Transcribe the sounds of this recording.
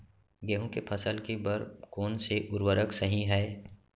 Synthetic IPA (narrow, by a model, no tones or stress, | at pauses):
ɡeɦõkepʰɐsəlkebəɾkɔːnseʔʊɾwəɾəksəɦĩɦɛː